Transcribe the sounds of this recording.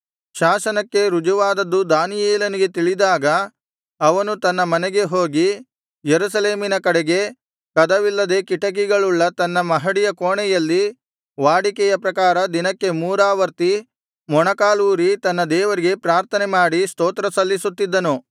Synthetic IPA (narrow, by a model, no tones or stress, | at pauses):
ʃaːsɐnɐkːe̞ɾud͡ʒuʋaːd̪ɐd̪ːud̪aːnijeːlɐniɡe̞t̪iɭid̪aːɡɐ | ɐʋɐnut̪ɐnːɐmɐnɛɡe̞ɦoːɡi | jeɾusɐle̞ːminɐkɐɽeɡe̞ | kɐd̪ɐʋilːɐd̪e̞ːkiʈɐkiɡɐɭuɭːɐt̪ɐnːɐmɐɦɐɽijɐkoːɳɛjɐlːi | ʋaːɽikɛjɐpɾɐkaːɾɐd̪inɐkːe̞muːɾaːʋɐɾt̪i | mɔɳɐkaːluːɾit̪ɐnːɐd̪ɛːʋɐɾiɡe̞pɾaːɾt̪ʰɐnemaːɽist̪oːt̪ɾɐsɐlːisut̪ːid̪ːɐnu